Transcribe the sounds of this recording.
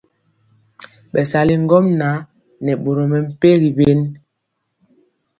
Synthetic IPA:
ɓɛ˨sa˨li˦ŋ˦ɡɔ˦mna˨˦ | nɛ˨ɓo˨ɾo˨mɛ˨m̩˦˨pe˦ɣi˨be˦n

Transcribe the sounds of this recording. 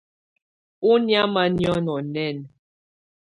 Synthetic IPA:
u˦nja˦ma˦njɔ˦nɔ˨nɛ˦˨n

